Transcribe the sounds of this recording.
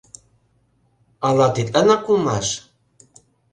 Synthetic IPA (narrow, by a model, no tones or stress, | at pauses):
ɑlɑt̪it̪ænɑkːulˠmɑʃ